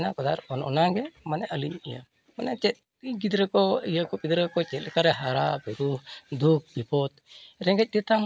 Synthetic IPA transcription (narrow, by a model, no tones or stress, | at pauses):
nakɔd̪aɾɔnɔ̰naɡɛmanɛʔaliɲija | manɛt͡ʃɛt̪̚ | ɡid̪ɾɛkɔijakɔpid̪ɾɛkɔt͡ʃɛt̪kaɾɛɦaɾabɛɾud̪uk̚bipɔt̪̚ɾɛŋɡɛc̚dit̪am